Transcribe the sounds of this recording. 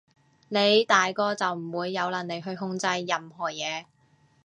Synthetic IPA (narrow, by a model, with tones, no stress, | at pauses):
ne˨˧jt̪aː˨jkɔː˧t͡sɐ˨wm̩˨˩wuː˨˧jːɐ˨˧wlɐ˨˩nle˨˧jɦɵ˧ɥɦʊ˧ŋt͡sɐ˧jːɐ˨mɦɔː˨˩jɛː˨˧